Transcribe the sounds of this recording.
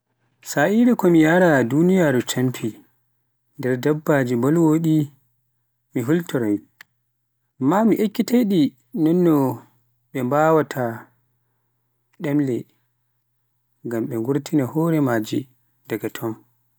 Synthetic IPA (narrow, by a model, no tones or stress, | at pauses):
saʔiɾɛkɔmijaɾadunijaːɾut͡ʃampʰi | ndɛɾdabːad͡ʒimbɔlwoɗi | miɦultɔɾɔj | mːamiʔekːiteɗi | nɔnːɔ | ɓɛmbawatʰa | ɗɛmlɛ | ŋɡamɓɛŋɡuɾtinahɔɾɛmad͡ʒi | daɡatʰɔm